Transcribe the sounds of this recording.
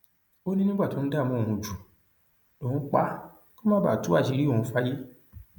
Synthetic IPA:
o˦nĩ˦nĩ˦ɡ͡ba˦˨tõ˨˦n̩˦da˦˨mũ˦o˨ũ˧d͡ʒu˨ | o˨ũ˧˦k͡pa˦ | ko˦mã˦ba̰˦˨tu˦a˦˨ʃi˨˦ɾi˦o˦˨ũ˨˧˦fa˦je˦

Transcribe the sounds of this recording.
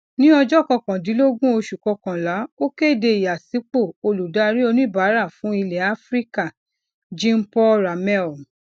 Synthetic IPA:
nĩ˦ɔ˧d͡ʒɔ˦˨kɔ̃˧kã˨di˨˦lo˦ɡũ˦o˧ʃu˨kɔ˧kã˨la˨˦o˦ke˦˨de˧i˨ja˨si˨˦k͡po˦˨o˧lu˨da˦˧ɾi˦o˧nũ˦i˦˨ba˨˦ɾa˦˨fũ˨˦i˧lɛ˨a˦fɾi˦ka˦˨ | d͡ʒĩ˦m̩˦pɔ˦ɾa˨mɛ˦˨

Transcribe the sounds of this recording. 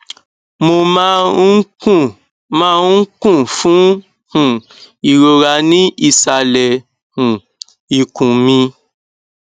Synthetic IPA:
mo˧mã˦kũ˦˨ | mãː˦kũ˦˨fũ˨˦ | hũ˦˨ | i˨ɾo˧ɾa˧nĩ˦i˦˨sa˧˨lɛ˨ | hũ˨ | i˨kũ˨mĩ˧

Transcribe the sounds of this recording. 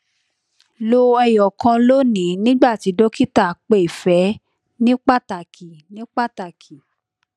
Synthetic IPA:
lo˧ɛ˧jɔ˨kã˧lo˦nĩ˨˦nĩ˦ɡ͡ba˦˨ti˨˦do˦ki˦ta˦˨k͡pe˦˨i˨fɛ˨˦ | nĩ˦k͡pa˦˨ta˨kʰi˨nĩ˨˦k͡pa˦˨ta˨kʰi˨

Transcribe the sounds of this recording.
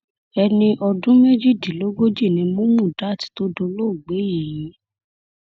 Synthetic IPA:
ɛ˧nĩ˧ʔɔ˧dũ˦me˦d͡ʒi˦˨di˨lo˨˦ɡo˦d͡ʒi˦˨nĩ˨˧mũ˦mũ˦˨da˨˦˨ti̥˨˦to˦do˧lo˦˨ɡ͡be˨˦ji˨jĩ˨˦

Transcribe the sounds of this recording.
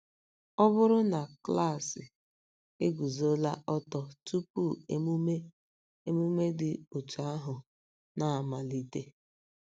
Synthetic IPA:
ɔ˦bʊ˦ɾʊ˦na˨kla˦˨sɪ˨ | e˦ɡu˨zo˦la˦ʔɔ˦tɔ˨tu˦pu˦˨ḛ˦mu˦me˦ | e˦mu˦me˦dɪ˨o˨t͡ʃa˦a˦ɦʊ˨ | na˨a˨ma˨li˦te˦

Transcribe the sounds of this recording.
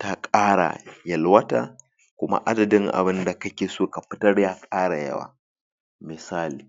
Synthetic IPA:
ta˦kʼaː˦ɽa̰˨jɐ˨lwɐ˦ta̰ː˦ | kʷʊ˦ma̰˦ʔa˦dɐ˨dɪ˦ŋʔa̰˨bɪ˦nda˨kɐ˦kʲeː˨soː˦ka˨ɸɪ˦tɐ˦ɽjaː˦kʼaː˦ɽa˨jɐ̰˦wa̰ː˨ | mɪ˨saː˦liː˨

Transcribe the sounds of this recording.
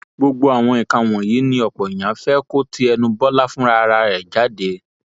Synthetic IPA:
ɡ͡bo˧ɡ͡bo˧a˨w̃ɔ̃˧ĩ˨kã˧˨w̃ɔ̃˨ji˨˦nĩ˧ɔ˨k͡pɔ˨i˨j̃ã˨˦fɛ˦ko˦tʰi˦ɛ˧nũ˧bɔ˦la˦fũ˦ɾa˦˧ɾa˧ɾɛ˨d͡ʒa˨˦de˧˦

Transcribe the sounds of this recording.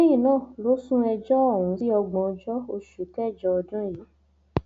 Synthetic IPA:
e˦ji˦˨nãː˦˨lo˨˦sũ˦ɛ˧d͡ʒɔ˦ɔ˦˨wũ˨˦si˦ɔ˧ɡ͡bɔ̃˨˧d͡ʒɔ˦o˧ʃu˨kɛ˦˨d͡ʒɔ˧ɔ˧dũ˦ji˨˦

